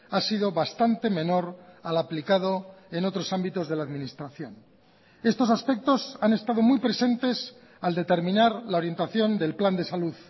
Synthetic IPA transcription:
asiðo̞βast̪ant̪e̞mẽ̞no̞ɾalaplikað̞o̞eno̞t̪ɾo̞sambit̪o̞zðe̞laːðmĩnist̪ɾaθjo̞n | e̞st̪o̞saspe̞k̚t̪o̞sane̞st̪aðo̞muijpɾe̞se̞nt̪e̞s | ald̪e̞t̪e̞ɾmĩnaɾlao̞ɾjent̪aθjo̞nd̪e̞lpland̪e̞saluð

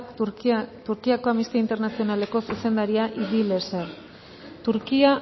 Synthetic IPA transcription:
t̪uɾkiako̞amist̪eint̪e̞ɾnasio̞nale̞ko̞suse̞nd̪aɾiaʔiðile̞ser | t̪uɾkia

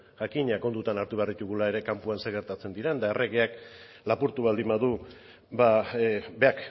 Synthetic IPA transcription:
ʝakiɲako̞nd̪ut̪anaɾt̪uβearit̪uɣulae̞ɾe̞kampuanseɣe̞ɾt̪at͡se̞nd̪iɾend̪aerʔe̞ɣeak | lapuɾt̪uβald̪imaðu | babe̞ak

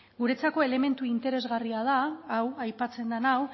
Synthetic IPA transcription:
ɡuɾe̞t͡sako̞e̞le̞me̞nt̪uint̪e̞ɾe̞zɣariað̞aːwajpat͡se̞nd̪anaw

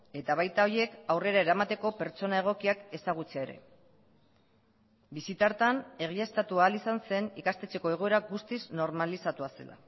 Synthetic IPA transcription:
e̞t̪aβ̞ajt̪ao̞ɾie̞kawre̞ɾaeɾamat̪e̞ko̞pe̞ɾt͡so̞nae̞ɣ̞o̞kiake̞saɣ̞ut͡seaeɾe̞̰ | bisit̪aɾt̪ane̞ɣ̞iaest̪at̪uaːlisanse̞nikast̪e̞t͡se̞ko̞e̞ɣ̞oe̞ɾaɡust̪izno̞ɾmalisat̪uase̞̰lʔa̰

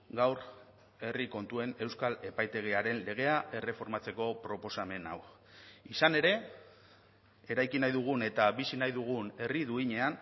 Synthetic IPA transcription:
ɡawɾ | e̞riko̞nt̪ue̞ne̞wskale̞pajt̪e̞ɣ̞eaɾe̞nle̞ɣ̞e̞aʔe̞re̞fo̞ɾmat͡se̞ko̞pɾo̞po̞same̞na̰w | isane̞ɾe̞ | eɾajkinajðuɣ̞une̞t̪abisinajðuɣ̞une̞riðuiɲe̞an

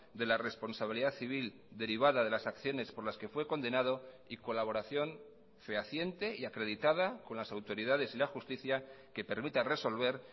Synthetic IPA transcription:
d̪e̞lare̞spo̞nsaβ̞iliðaθiβ̞il | d̪e̞ɾiβ̞aðaðe̞lasakθjo̞ne̞spo̞ɾlaske̞fwe̞ko̞nd̪e̞nað̞o̞ | iko̞laβ̞o̞ɾaθjo̞n | fe̞aθje̞nt̪e̞iakɾe̞ð̞it̪að̞ako̞nlasawt̪o̞ɾiðaðe̞silaxust̪iθjake̞pe̞ɾmit̪are̞so̞lβe̞ɾ

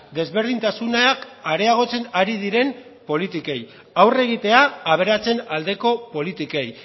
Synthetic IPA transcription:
d̪e̞zβe̞ɾð̞int̪asunaakaɾe̞aɣ̞o̞t͡se̞naɾið̞iɾe̞m | po̞lit̪ike̞j | awre̞ɣ̞it̪e̞aːβ̞e̞ɾat͡se̞nald̪e̞ko̞po̞lit̪ike̞j

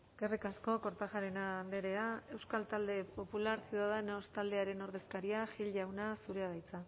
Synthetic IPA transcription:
ɡerikasko̞ko̞ɾt̪aʝaɾe̞nand̪e̞ɾe̞ae̞wskalt̪ald̪e̞po̞pulaɾsiðaðeno̞st̪ald̪e̞aɾe̞no̞ɾðe̞skaɾiaxilʝawnasuɾe̞að̞ajt͡sa

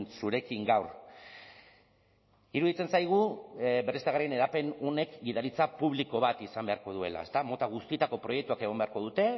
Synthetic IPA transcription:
nsuɾe̞kiŋɡawɾ | iɾuðit͡se̞nsajɣ̞uberest̪aɣaɾriene̞ɾape̞none̞kɡiðaɾit͡sapuβ̞liko̞β̞at̪isambe̞aɾko̞ð̞ue̞̰la̰e̞st̪amo̞t̪aɣ̞ust̪iet̪ako̞pɾo̞je̞k̚t̪uake̞ɣ̞o̞mbe̞aɾko̞ðut̪e̞

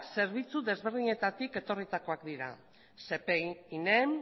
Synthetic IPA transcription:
se̞ɾβit͡suðe̞zβe̞ɾðiɲe̞t̪at̪ike̞t̪o̞rit̪ako̞akd̪iɾa̰ | se̞peinem

